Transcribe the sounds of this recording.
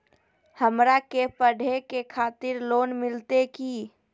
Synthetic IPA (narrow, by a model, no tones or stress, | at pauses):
həmɾakepəɖʱekekʰat̪ɪɾloːnmɪlt̪eki